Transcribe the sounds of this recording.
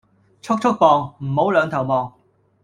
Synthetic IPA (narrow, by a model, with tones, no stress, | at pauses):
t͡sʰʊ˥k̚t͡ʃʰʊ˥k̚pɔː˨ŋm̩˨˩ho˨˥wlœː˨˧ŋt̪ʰɐ˨˩wmɔː˨˩ŋ